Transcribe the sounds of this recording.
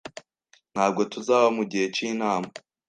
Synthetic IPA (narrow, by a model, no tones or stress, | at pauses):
n̥haːb̚ɡo̞tuzaːβamuɟihe̞t͡ʃiːnaːma